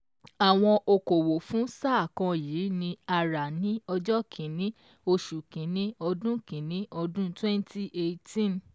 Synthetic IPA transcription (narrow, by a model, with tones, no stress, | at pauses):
a˨w̃ɔ̃˧ʔo˧ko˨wo˨fũ˨˦saː˦˨kɔ̃˧jiː˨˦nĩ˧a˧ɾa˨nĩ˨˦ɔ˧d͡ʒɔ˦kʰĩ˨nĩ˨˦ | o˧ʃu˨kĩ˨˦nĩ˨˦ɔ˧dũ˦kĩ˨nĩ˨˦ɔ˧dũ˦twɛ̃˦nti˦ʔe˧tĩ˦˨n